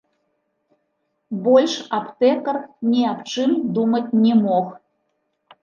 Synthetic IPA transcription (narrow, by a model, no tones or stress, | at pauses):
bɔlʲʂapt̪ɛkɐrnʲiapt͡ʂɨmd̪umɐt͡sʲnʲɛmɔx